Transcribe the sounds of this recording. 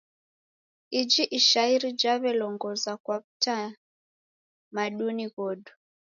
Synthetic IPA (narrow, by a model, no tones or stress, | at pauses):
id͡ʒiʔiʃaiɾid͡ʒaβɛlɔŋɡɔzakwaβuta | maɗuniɣɔdu